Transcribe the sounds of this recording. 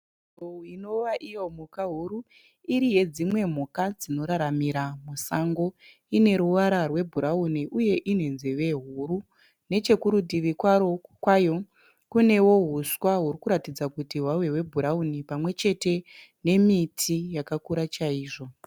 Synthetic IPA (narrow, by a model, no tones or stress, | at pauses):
ouino̞ʋaʔijo̞m̤ukaɦuɾu | iɾije̞d͡zimwe̞m̤ukad͡zino̞ɾaɾamiɾamusaŋɡo̞ | ine̞ɾuwaɾarwe̞bʱuɾauniʔuje̞ʔine̞nzeʋe̞ɦuɾu | ne̞t͡ʃe̞kuɾudʱiʋikwaokwajo̞ | kune̞wo̞ɦuswaɦuɾikuɾatid͡zakutiɦwaweɦwe̞bʱuɾaunipamwe̞t͡ʃe̞te̞ | ne̞mitʰijakakuɾat͡ʃaiːʐo̞